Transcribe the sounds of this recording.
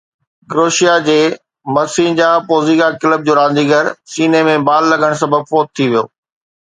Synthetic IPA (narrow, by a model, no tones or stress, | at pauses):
ɡɾoːʃijad͡ʑeː | mɐsĩd͡ʑãːpoːziːɡakɪləb̚d͡ʑoːɾãːnd̪iːɡəɾsiːnemẽbaːlːɐɡəɽ̃sɐbʱəbfoːt̪̚t̪ʰːiʋijo̰ː